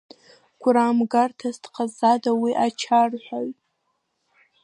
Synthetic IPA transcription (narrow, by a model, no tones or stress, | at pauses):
kʷʰʊɾaːmɡartʰastʰqʰʼazadawiʔat͡ʃʰarħʷᶣaɥtʼ